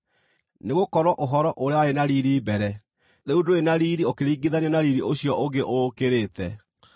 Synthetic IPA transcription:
neɣokɔɾwɔʔoɦɔɾɔʔoɾeawaenaɾiɾibɛɾɛ | ðeudoenaɾiɾiokeɾiɡiðanɛnaɾiɾioɕjɔʔoɡeʔokeɾetɛ

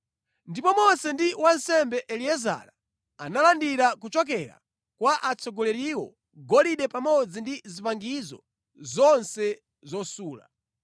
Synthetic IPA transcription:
ndipɔmɔsɛndiwansɛmbɛʔɛliɛza̰ɾa | a̰nalandiɾakut͡ʃɔk̬ɛɾa̰ | kwaʔat͡sʰɔɡɔlɛɾiwɔ | ɡɔliɗɛpamɔd͡zindizipaŋɡizɔ̰ | zɔnsɛ | zɔsuːla̰

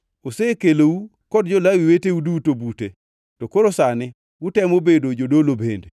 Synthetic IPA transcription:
osekelowu | kɔdd͡ʒɔlawiwetewudutobute | tɔkoɾosanɪ | wutɛmobedod͡ʒodolobende

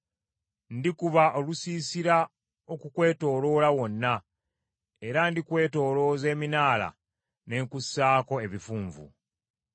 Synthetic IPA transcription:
ndikuβaʔolusiːsiɾa | okukwe̞ːto̞ːlo̞ːlawo̞nːa | e̞ɾandikwe̞ːto̞ːlo̞ːze̞ːminaːla̰ | ne̞ːŋkusːaːko̞e̞βifuːɱvṵ

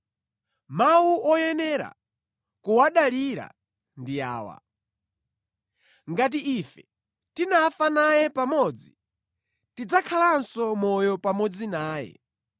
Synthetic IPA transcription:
mawuɔjɛnɛɾa̰ | kuwaɗaliɾa̰ | ndija̰ːwa̰ | ŋɡat̬iʔifɛ | tinafanajɛpamɔd͡zi | tid͡zakʰalansɔmɔjɔpamɔd͡zinaːjɛ̰

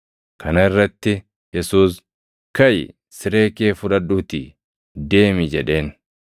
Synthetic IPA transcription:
kʰɐnɐɪrːɐt̪ːɪ | jɛsuːs | kɐj | sɪɾe̞ːkeːfʊᶑɐᶑuːt̪ɪ | d̪e̞ːmɪd͡ʒɛᶑe̞ːn

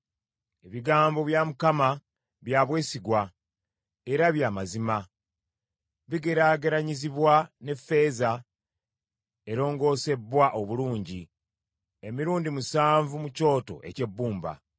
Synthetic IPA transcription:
e̞βiɡaːmbo̞βjamukama | βjaβwe̞ːsiɡwa | e̞ɾaβjaːmazima | βiɡe̞ɾaːɡe̞ɾaɲiziβwane̞fːe̞ːza | e̞ɾo̞ːŋɡo̞ːse̞bːwaʔo̞βuluːɲɟi | e̞miɾuːndimusaːɱvumuco̞ːto̞̰ʔe̞̰ce̞bːuːmba̰

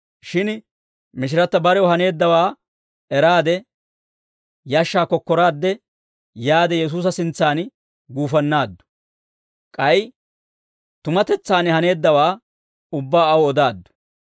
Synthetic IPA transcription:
ʃɪn | mɪʃ̬ɪɾɐt̪ːɐbɐɾɛʊɦɐne̞ːd̪ːɐwaː | ɛɾaːd̪ɛ | jaːʃːaːkɔkːɔɾaːd̪ːɛ | jaːd̪ɛjɛs̬uːs̬ɐsɪnt͡sːaːn | ɡuːfɐnːaːd̪ːʊ̥ | kʼɐj | t̪ʊmɐt̪ɛt͡sːaːnhɐne̞ːd̪ːɐwaː | ʊbːaːɐwɔd̪aːd̪ːʊ̥

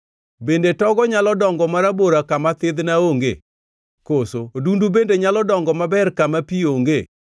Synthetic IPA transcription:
bendetɔɡɔɲalɔdɔŋɡɔmaɾaboɾakamat̪ɪd̪naoŋɡḛ | kosodundubendeɲalɔdɔŋɡɔmabɛrkamapioŋɡe

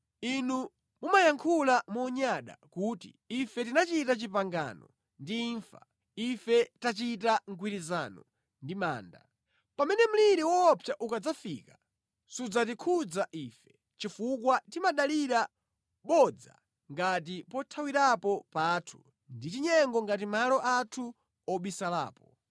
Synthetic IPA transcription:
inu | mumajaŋkʰulamɔɲaɗa̰kuːti | ifɛtinat͡ʃitat͡ʃipaŋɡa̰nɔ | ndiːɱfa | ifɛtat͡ʃitaŋ̩kʰwiɾizanɔ | ndima̰ːnda̰ | pamɛnɛm̩liɾiwɔːpʰjaʔukad͡zafḭkḁ | sud͡zatikʰud͡zaʔiːfɛ̥ | t͡ʃifukwatimaɗaliɾa | ɓɔd͡za̰ | ŋɡat̬ipɔtʰawiɾapɔpaːtʰu̥ | ndit͡ʃiɲɛŋɡɔŋɡat̬imalɔʔatʰu | ɔɓwisala̰ːpɔ

